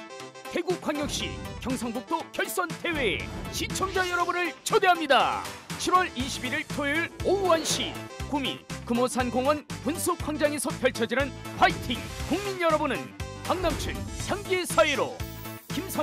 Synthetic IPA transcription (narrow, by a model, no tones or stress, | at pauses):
he̞ɡukʰwaŋjʌk̚ɕ͈ḭkjʌŋsʰaŋbuk̚t͈okjʌɭs͈ʌntʰe̞we̞ḛɕit͡ɕʰʌŋd͡ʑajʌɾʌbunɯɭt͡ɕʰodeɦamɲida̰t͡ɕʰiɾwʌɭiɕʰibiɾiɭpʰoiɭouanɕ͈ikumḭkɯmosʰanɡoŋwʌnpunsʰukʰaŋd͡ʑaŋe̞sʰʌpʰjʌɭt͡ɕʰʌd͡ʑinɯnpaitʰiŋkuŋmiɲjʌɾʌbunɯnpaŋnamt͡ɕʰunɕʰaŋɡesʰaeɾo̰ | kimsʰa